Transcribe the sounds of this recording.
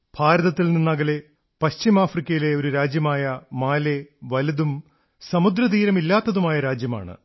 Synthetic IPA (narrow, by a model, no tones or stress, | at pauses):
b̥ʱaːɾɐðɐt̪ːilninːɐɣɐle̞ | pɐɕt͡ɕimaːfrikʲːɐjile̞oɾuɾaːd͡ʑjɐmaːjɐmaːle̞ʋɐliðum | sɐmud̪ɾɐðiːɾɐmilːaːt̪ːɐðumaːjɐɾaːd͡ʑjɐma̰ːɳɨ̰